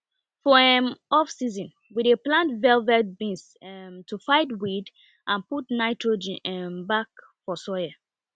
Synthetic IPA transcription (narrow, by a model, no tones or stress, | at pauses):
fɔɛmɔfsizɔ̃n | wideplãntvɛlvɛt̚bĩns | mtʰufaɪtwid | ʔãnputnaɪtʰɹod͡ʒĩɛmbak | fɔsɔjɛ